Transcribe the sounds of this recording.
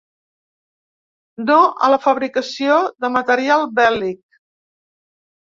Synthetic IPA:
d̪oʔə̰ləfəβɾikəsioðəmət̪əɾialˠbɛlik̚

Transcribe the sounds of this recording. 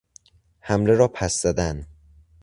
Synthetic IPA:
hæmle̞ɾɒːpʰæsz̥æd̪æn

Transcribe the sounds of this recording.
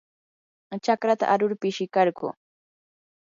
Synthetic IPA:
t͡ʃakɾat̪a̰ʔaɾʊɾpɪʃɪkɑɾɢʊ̰

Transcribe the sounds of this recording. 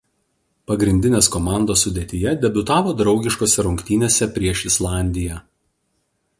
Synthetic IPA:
pɐɡɾʲɪnʲd̪ʲɪnʲeːskɔmɑˑnd̪oːsːʊd̪ʲeːt̪ʲɪjɛd̪ʲɛbʲʊt̪ɑːʋoːd̪ɾɒʊɡʲɪʃkoːsʲɛɾʊŋʲkt̪ʲiːnʲeːsʲɛpʲɾʲiɛʃɪslˠɑˑnʲd̪ʲɪjæː

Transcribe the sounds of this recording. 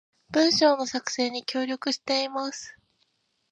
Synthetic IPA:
b̥ɯ̟̃ɰ̃ɕo̞ːno̞sakɯ̟̥se̞ːɲ̟ikʲo̞ːɾʲo̞kɯ̟ɕi̥t̪e̞imasɨ̥

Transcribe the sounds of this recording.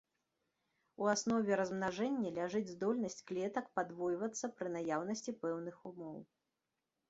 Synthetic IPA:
uasnɔvʲɛɾɐzmnaʐɛnʲːɐlʲaʐɨd͡zʲzd̪ɔlʲnɐsʲt͡sʲklʲɛt̪ɐkpad̪vɔjvɐt̪sːɐpɾɨnajawnɐsʲt͡sʲipɛwn̪ɨxumɔw

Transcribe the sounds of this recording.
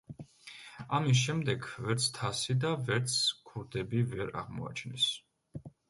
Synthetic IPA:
amis̬ʃɛmd̪ɛɡvɛɾt̪sʰt̪ʰasid̪avɛɾt̪sʰkʰuɾd̪ɛbivɛɾa̰ʁmɔ̰a̰t͡ʃʰnɛ̰s

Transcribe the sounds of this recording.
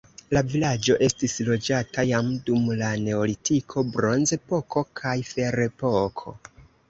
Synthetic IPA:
lavilad͡ʒo̞ʔe̞stislo̞d͡ʒatajamdumlane̞olitʰikʰo̞bɾo̞nze̞po̞ko̞kʰajfe̞ɾe̞pokʰo̞̰

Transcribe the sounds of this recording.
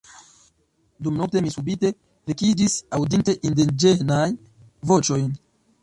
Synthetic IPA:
dumnokte̞misubite̞ | vekid͡ʒisawdinte̞ʔindend͡ʒenaj | vo̞t͡ʃo̞jn

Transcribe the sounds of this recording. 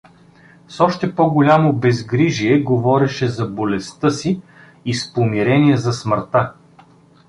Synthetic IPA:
sɔʃt̪ɛpɔɡolʲamobɛzɡɾiʒiɛɡovɔɾɛʃɛzɐbolɛst̪ɤsiː | spomiɾɛniɛzɐsməɾt̪a

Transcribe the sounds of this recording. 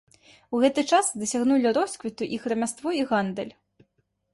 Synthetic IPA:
wɣɛt̪ɨt͡ʂasd̪ɐsʲaɣnulʲiɾɔskvʲit̪uʔixɾɐmʲast̪vɔiɣand̪ɛlʲ

